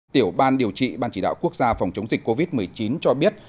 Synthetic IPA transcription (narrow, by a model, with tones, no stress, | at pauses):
t̪i˧˩əwɓaː˧nɗi˨˩əwt͡ɕḭ˧˨ɓaː˧nt͡ɕi˧˩ɗa̰ː˧˨wku˦˥ək̚zaː˧fa˨˩wŋ͡mt͡ɕə˨˦wŋ͡mzi˨˩k̟ko˧vi˦˥t̚m˨˩əjt͡ɕi˨˦nt͡ɕɔ˧ɓi˦˥ət̚